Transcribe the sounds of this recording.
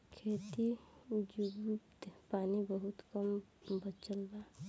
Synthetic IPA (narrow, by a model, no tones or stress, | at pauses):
kʰeːt̪id͡ʒuɡut̪paːnibəɦut̪kəmbət͡ʃəlba